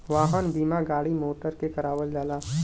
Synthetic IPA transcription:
ʋaːɦənbiːmaɡaːɽimoːʈəɾkekɐɾaːʋəld͡ʒaːlaː

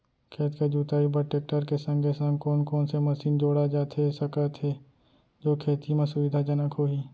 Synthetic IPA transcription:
kʰeːt̪ked͡ʒuːt̪aːibəʈeːk̚ʈəɾkesə̃ŋɡʱesə̃ŋkɔːnkɔːnseməsiːnd͡ʒoːɽad͡ʒaːt̪ʰɦesəkət̪ʰɦe | d͡ʒoːkʰeːt̪imẽsʊʋɪd̪ʱad͡ʒənəkʰɦoːɦiː

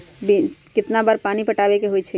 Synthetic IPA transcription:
bikɪt̪nabəɾpanipəʈabekeɦojt͡ʃʰɛ

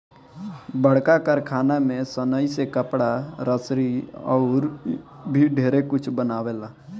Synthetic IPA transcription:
bəɽ̤kakəɾkʰaːnamẽsənəisekəpɽaɾəsɾiɔ̰ʊɾbʱiɖʱeːɾekʊt͡ʃʰbənaːʋela

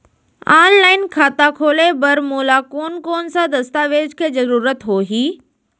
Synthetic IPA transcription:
aːnlaːɪnkʰaːt̪akʰoːlebɐɾmuːlakoːnkoːnsãd̪ɐst̪aːʋeːd͡ʑkʰeːzɐɾuːɾət̪ɦoːɦiː

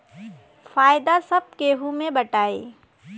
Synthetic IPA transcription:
faːjd̪asɐb̚keːɦumẽbəʈaːḭː

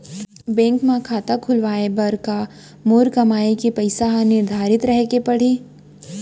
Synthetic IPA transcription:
bɛ̃ːŋkmãkʰaːt̪akʰʊlʋaːebɐɾka | moːɾkɐmaːikepɐɪsanɪɾd̪ʱaːɾɪt̪ɾɐɦkepɐɽ̤iː

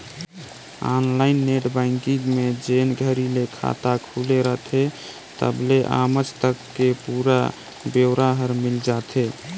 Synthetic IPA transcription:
a̰nlainːeʈbãɪŋkiŋɡmed͡ʒenɡʱəɾilekʰa̰t̪akʰuleɾəɦt̪ʰe | t̪ə̰bleʔa̰mət͡ʃt̪əkːepuɾa̰ | beɾaɦəɾmild͡ʒat̪ʰe

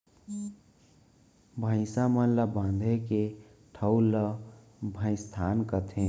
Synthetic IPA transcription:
bʱə̃ɪ̃samənləbãnd̪ʱeke | ʈʰəwlə | bʱə̃ɪ̃st̪ʰankət̪ʰẽ

